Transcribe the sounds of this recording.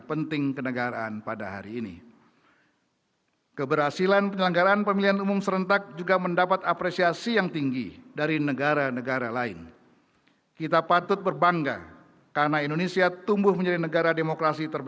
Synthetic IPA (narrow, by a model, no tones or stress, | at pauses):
pənt̪ɪŋkənəɡaɾa̰a̰npada̰ɦa̰ɾiːnḭ | kəbərhasilanpəɲələŋɡaɾaːnpəmilianumʊmsəɾənt̪ak̚d͡ʒuɡaməndapat̪apɾesiasijaŋt̪iŋɡḭdaɾinəɡaɾanəɡaɾalaɪ̰n | kit̪apat̪ʊt̪̚bərbaŋɡa̰ | kaɾənaindonesiat̪umbʊhməɲd͡ʒadinəɡaɾademokɾasit̪ərb